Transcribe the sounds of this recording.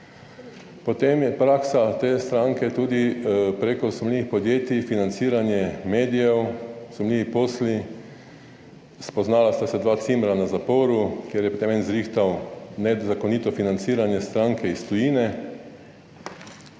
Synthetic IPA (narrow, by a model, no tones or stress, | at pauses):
pɔt̪emjɛpɾaksat̪eːst̪ɾaŋkɛt̪uːd̪ipɾekɔsɔmliːʋixpɔd̪jeːt̪ifinant̪siːɾanjɛmeːd̪ijɛwz̥umliːʋipoːsli | spɔznaːlast̪asɛd̪ʋaːt̪simɾanazapoːɾukjeːɾjɛpot̪emɛnzɾiːxt̪awnɛzakɔnit̪ɔfinant̪siːɾanjɛst̪ɾaŋkɛist̪ɔjiːnɛ